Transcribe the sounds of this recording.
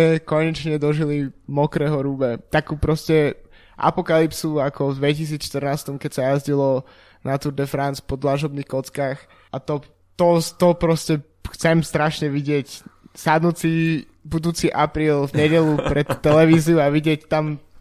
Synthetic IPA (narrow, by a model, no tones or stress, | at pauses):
ɛkɔɲɛt͡ʃɲɛd̪ɔʒilimɔkɾɛːɦɔɾuːbɛt̪akuːpɾɔscɛ | ʔa̰pɔkalipsuakɔvd̪ʋɛcis̬iːt͡sʃt̪ərnaːst̪ɔmkɛcsajazɟilɔ | nat̪uɾd̪ɛfɾant͡spɔd̪laʒɔbniːxkɔt͡skaːx | ʔat̪ɔ | t̪ɔt̪ɔpɾɔscɛ | xt͡sɛmst̪ɾaʃɲɛʋiɟɪɛcsad̪nuːt͡si | bud̪uːt͡siʔapɾiːlvɲɛɟɛlupɾɛt̪ːɛlɛʋiːziuaʋiɟɪɛct̪am